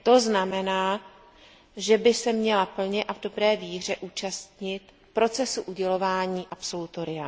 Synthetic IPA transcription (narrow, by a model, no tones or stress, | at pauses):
t̪o̞znamɛnaː | ʒɛbɪsɛmɲɛlapl̩ɲɛʔavdo̞bɾɛːviːr̝ɛʔuːt͡ʃast̪ɲɪt̪ | pɾo̞t͡sɛsuʔuɟɛlo̞vaːɲiːʔapso̞lut̪o̞ɾɪja